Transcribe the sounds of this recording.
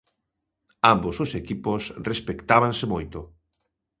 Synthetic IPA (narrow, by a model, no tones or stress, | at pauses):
ambosʊsekiposrespekt̪aβansemojt̪ʊ